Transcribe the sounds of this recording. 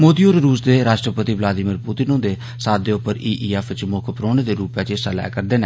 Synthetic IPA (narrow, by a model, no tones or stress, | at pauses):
moːd̪iːoːɾɾuːsd̪eːɾaːʃʈɾəpət̪iːʋlaːd̪ɪmiːɾput̪ɪnõːd̪eː | saːd̪eːʊpːəɾiːʔiːɛːfɪt͡ʃmʊkʰpɾoːneːd̪eːɾuːpjaːt͡ʃeːsalɛ̰ːkəɾd̪eːneː